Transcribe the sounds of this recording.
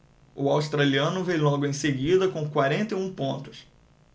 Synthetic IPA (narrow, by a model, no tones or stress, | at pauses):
ʊawst̪ɾaliɐ̃nʊvejlɔɡʊẽj̃seɡid̪ɐkõkwaɾẽnt̪eũpõnt̪ʊ̥s